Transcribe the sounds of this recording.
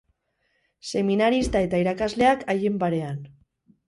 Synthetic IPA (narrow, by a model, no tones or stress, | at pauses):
se̞minaɾist̪ae̞t̪aiɾakazle̞akʰajembaɾe̞an